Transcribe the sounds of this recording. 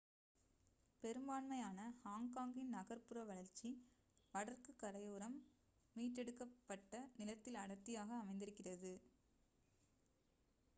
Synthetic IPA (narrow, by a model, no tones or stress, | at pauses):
pɛɾɯmbaːɳmɐjaːnɐhaːŋkaːŋɡɪnnɐɣɐɾpɯrɐʋɐɭɐɾt͡ʃːi | ʋɐɽɐrkɯkːɐɽɐjoːɾɐmː | iːʈːɛɽɯkːɐpːɐʈːɐnɪlɐt̪ːɪlɐɽɐt̪ːɪjaːɣɐːmɐɪnd̪ɪɾɯkːɪrɐðɯ